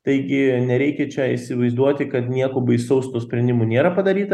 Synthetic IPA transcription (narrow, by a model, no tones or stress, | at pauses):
t̪ɐɪɡʲɪnʲɛɾʲɛɪkʲɛt͡ʃʲɛisʲɪʋɐɪzd̪uɔt̪ʲɪkɐt̪nʲiɛkobɐɪsɐʊst̪uɔsʲpʲɾʲɛnʲd̪ʲɪmuːnʲeːɾɐpɐd̪ɐɾʲiːt̪ɐ